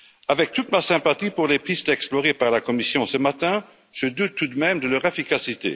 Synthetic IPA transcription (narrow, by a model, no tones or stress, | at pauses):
avɛk̚t̪ut̪masɛ̃pat̪ipuʁlepχist̪ɛksplɔʁepaʁlakɔmisjɔ̃səmat̪ɛ̃ | ʒ̥əd̪ut̪ːud̪mɛmd̪əlœʁefikasit̪ḛ